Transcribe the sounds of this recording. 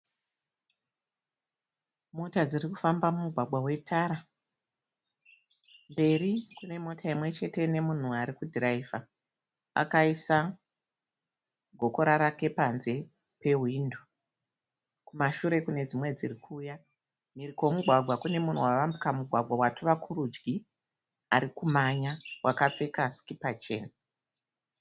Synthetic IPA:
motad͡ziriku̥fambamumuɡʱwaɡʱwawe̞tʰaɾa | mbe̞rikune̞mo̞tʰaimwe̞t͡ʃe̞te̞ne̞mun̤uaɾikudʱiraiva | a̰kaisa | ɡʱo̞ko̞ɾaɾake̞panze̞ | pe̞ɦwindu | kumaʃuɾe̞kune̞d͡zimwe̞d͡zirikʰuːja | mirikomuɡʱwaɡʱwakune̞mun̤uwaʋambikamuɡʱwaɡʱawatʰuʋakʰuɾud͡ʒɡi | aɾikumaɲawʔakap͡fe̞kasi̥kipat͡ʃe̞̰ːna

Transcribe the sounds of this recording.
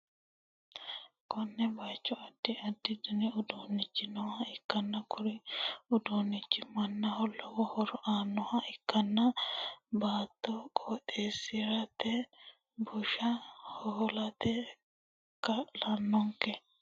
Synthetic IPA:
kɔnːɛbajt͡ʃːɔɐd̪̥ːɪɐd̪ːɪd̪ʊnɛʊd̪oːnːɪt͡ʃːɪnɔwɐɪkːɐnːɐkʰʊɾɪʊd̪oːnːɪt͡ʃːɪmɐnːɐhɔlːɔwɔhɔɾɔʔaːnːɔhɐʔɪkːɐnːɐbaːt̪ːɔkʼoːt̪ʼːeːsɪɾɐt̪ːɛ | bʊʃɐhɔlɐt̪ɛ | kːɐlɐnːɔŋkɛ

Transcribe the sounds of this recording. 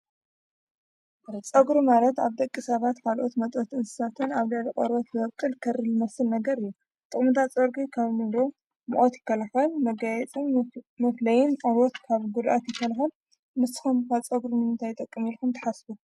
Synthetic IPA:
t͡sʼɐɡɾumalɐt̪aβd̪ɐkʼːisɐβat̪kʰalʔot̪mɐt̪ʼot̪ɨnsɨ̥sat̪ʰɨnaβlalʔʼɐɾot̪bɨɐβkʼɨlkʰɐɾɨlɨmɐsːɨlnɐɡɐɾɨjːu | t̪ʼɨχʼmɨt̪ʰat͡sʼoɾɡikʰaβmiɾo | mṵʔʼot̪jɪkːɐlaxɐlmɐɡajɛt͡sʼɨnmɨflɐjɪnʔʼoɾot̪kʰaβɡud̪ʔat̪jɪt̪ʰːɐlɐxɐl | mɨst̪ɨ̥xomkʰat͡sʼɐɡɾunɨmɨnt̪ʰajt̪ʼɐkʼːɨmilkumt̪ʰɐ̥ħasbu

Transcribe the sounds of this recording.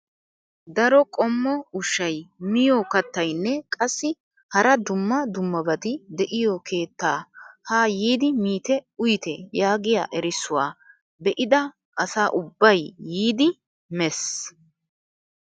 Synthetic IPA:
d̪ɐɾɔkʼɔmːɔʊʃːɐjmɪjoːkɐt̪ːɐjnːɛkʼɐsːɪ | hɐɾɐd̪ʊmːɐd̪ʊmːɐbɐt̪ɪd̪ɛʔɪjɔkʰe̞ːt̪ːaːhaːjiːd̪ɪmiːt̪ɛʊjt̪ɛjaːɡɪja̰ːʔɛɾɪsːʊwa̰ː | bɛʔɪd̪ɐ | ʔɐsaːʔʊbːɐjːiːd̪ɪ | mɛs

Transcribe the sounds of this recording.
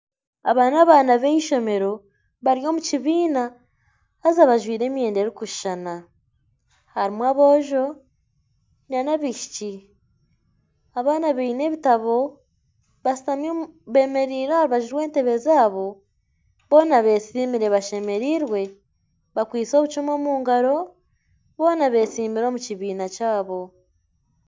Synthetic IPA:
a̰βaːnaβaːnaβeiʃo̞me̞ɾo̞ | βaɾjo̞ːmuciβiːnaː | zaβaʒwiːɾe̞ːmie̞ːndeɾikuʃʃana | haɾimwaβo̞ːʒo̞ | ɲanaβiʃi̥ci | aβaːnaβeine̞βitaβo̞ | βasi̥tamjoβe̞ːme̞ɾiːɾahaɾiβaʒiɾwe̞ːnte̞βe̞zaːβo̞ | βo̞ːnaβe̞ːsiːmiɾe̞βaʃe̞me̞ɾiːɾwe̞ | βakwiːt͡so̞ːβut͡ʃumo̞ːmuːŋɡaɾo̞ | βo̞ːnaβe̞ːsiːmiɾo̞ːmuciβiːnacaːβo̞

